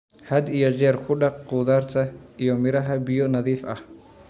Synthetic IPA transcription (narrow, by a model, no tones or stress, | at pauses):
hɐd̪ijɔt͡ʃɛːrkʰʊɖɑq̚quːðaːrt̪ʰɐʔijɔmɪɾɐɦɐbɪjɔnɐðiːfɐ̰h